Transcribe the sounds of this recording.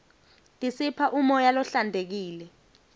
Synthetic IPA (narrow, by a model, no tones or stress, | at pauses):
tʼisipʰaʔumɔjalɔɬandʱek̬iːlɛ